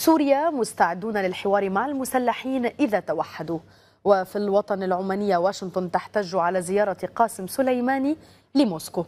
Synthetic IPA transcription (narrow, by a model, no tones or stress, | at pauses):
suːɾɪjamʊst̪aʕɪd̪ːuːnalɪlħɪwɑːɾimaʕalmʊsalːaħiːnʔɪðat̪awaħːad̪u | wɪfilwɑt̪ˤɑnɪlʕʊmaːnɪjːawaːʃɪnt̪ˤʊnt̪aħt̪aːʒːʕalazɪjɑːɾˤɑqɑːsɪmsʊlajmaːni | lɪmoːskʊ